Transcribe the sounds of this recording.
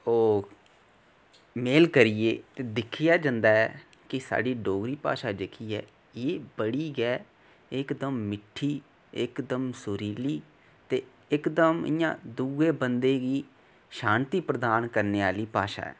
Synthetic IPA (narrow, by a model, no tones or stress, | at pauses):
oː | meːlkəɾɪjḛːt̪eːd̪ɪkʰɪjaːd͡ʒãnd̪aːɛː | kɪsa̰ːɖiːɖoːɡɾiːpa̰ːʃaːd͡ʒɪkʰiːɛː | eːbəɽiːɡɛː | ɪkd̪əmːɪʈʰːiː | ɪkd̪əmsʊɾiːliː | t̪eː | ɪkd̪əmɪ̰jã̰ːd̪uːɡeːbənd̪eːɡiː | ʃãːnt̪iːpɾəd̪aːnkəɾneːaːliːpaːʃa̰ːɛ̰ː